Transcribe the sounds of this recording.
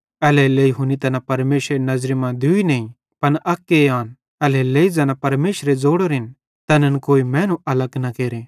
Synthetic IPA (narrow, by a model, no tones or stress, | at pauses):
ɛːlɛleːiɦunit̪ɐnãpɐɾmeːʃɾenɐzɾemãd̪uinɐĩ | pɐnʔɐkːeaːn | ɛːlɛleːid͡zɐnãpɐɾmeːʃɾed͡zoːɽoɾɪn | t̪ɐnənkoːimɛ̃ːnũɐləɡnakeːɾe